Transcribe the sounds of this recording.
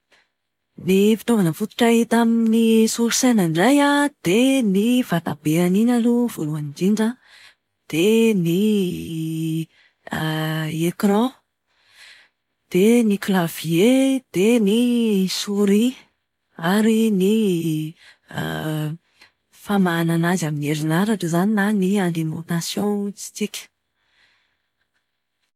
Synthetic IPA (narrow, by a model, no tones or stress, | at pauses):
nifi̥t̪ovanəfut̪u̥ʈ͡ʂait̪aminisuɾisenaɳɖ͡ʐajad̪̥enivat̪abeaninaluv̥oluanid͡ʒinɳɖ͡ʐə | d̪̥eni | ekrɔ̃ | d̪̥eniklavied̪̥enisuɾi | aɾini | famananazaminieɾinaɾaʈ͡ʂəzaninaniand̪emonasjɔ̃t͡si̥t͡sikʲə̥